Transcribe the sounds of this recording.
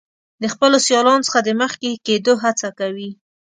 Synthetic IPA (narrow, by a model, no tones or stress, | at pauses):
d̪əxpəlosjɑlɑnot͡sə̥xad̪əməxkeked̪oɦat͡sakawi